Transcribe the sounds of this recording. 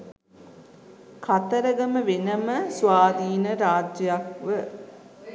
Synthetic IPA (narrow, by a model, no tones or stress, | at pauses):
kat̪əɾəɡəməʋenəməsʋaːd̪iːnəɾaːd͡ʒjəjakʋə